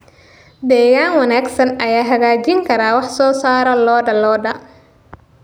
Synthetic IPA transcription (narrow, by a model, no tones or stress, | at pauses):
d̪ɛːɣaːnwɑnaːɡsɐnɐjaːɦɐɣaːt͡ʃɪŋkʰɐɾaːwɑħsɔːsaːɾɔlɔːɖɐlɔːɖɐ